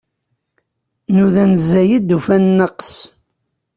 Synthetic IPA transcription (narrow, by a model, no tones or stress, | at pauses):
nuðænzæjid̪ufænːəqs